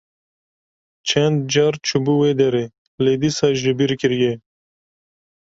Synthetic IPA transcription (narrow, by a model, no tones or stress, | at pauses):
t͡ʃʰend̪̚d͡ʒaɾt͡ʃʰubuwed̪eɾe | led̪isaʒdibiɾkiɾje